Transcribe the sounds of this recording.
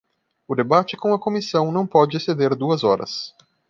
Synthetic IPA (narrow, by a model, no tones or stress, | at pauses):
ʊd̪ebat͡ʃɪkõw̃ɐkomisɐ̃w̃nɐ̃w̃pɔd͡ʒɪsed̪eɾd̪uɐzɔɾɐ̰s